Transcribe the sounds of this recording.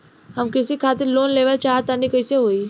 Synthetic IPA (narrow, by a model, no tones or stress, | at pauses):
hɐmkɪsikʰaːt̪ɪɾloːnleːʋat͡ʃaːɦat̪anikəiseɦoːi